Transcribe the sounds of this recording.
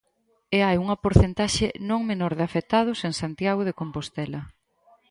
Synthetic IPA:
eajuŋɐpoɾθent̪aʃɪnõŋmenoɾðɪafet̪að̞ʊseŋsant̪jaɣoðekompost̪ɛlɐ

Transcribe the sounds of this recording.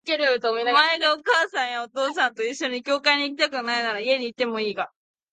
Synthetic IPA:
keɾɯt̪omaeɡaokaːsãɰ̃jao̞t̪o̞ːsãnt̪o̞iɕːo̞ɲ̟ikʲo̞ːkaiɲ̟iːkʲi̥t̪akɯ̟nainaɾaie̞ɲ̟iːt̪ːe̞mo̞iːɡa

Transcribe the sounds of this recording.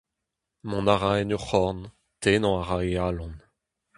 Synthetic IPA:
mɔ̃naʁaɛnyχɔʁn | t̪ʰeːnɔ̃aʁaealɔ̃n

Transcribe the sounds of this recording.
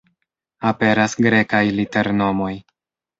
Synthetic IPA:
ape̞ɾasɡɾe̞kajlite̞ɾno̞mo̞j

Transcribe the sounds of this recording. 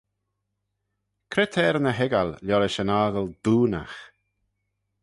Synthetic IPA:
kʰɾɪt̪ʰɛːɾənəɦɛɡalljɔɾɪʃənaːɣəld̪̥uːna̰x

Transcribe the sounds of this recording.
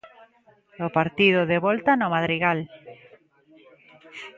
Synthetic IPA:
opaɾt̪ið̞ʊðeβɔlt̪anomaðɾiɣal

